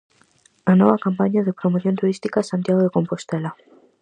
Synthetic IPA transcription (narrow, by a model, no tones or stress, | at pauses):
anoβakampaɲaðepɾomoθjo̞nt̪uɾist̪ikasant̪jaɣ̞oðeko̞mpo̞st̪ela